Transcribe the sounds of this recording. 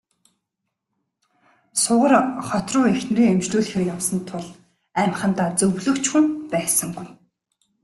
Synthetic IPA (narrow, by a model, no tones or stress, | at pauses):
sʊʁə̆rχɔt̪rʊːexn̆riːŋemt͡ɕɮuːɮxerkjawsɞ̆nt̪ʰʊɮ | æm̆χə̆n̥t̪aːt͡sɵwɮɵ̆kt͡ɕxumpæːsə̆ŋɡuj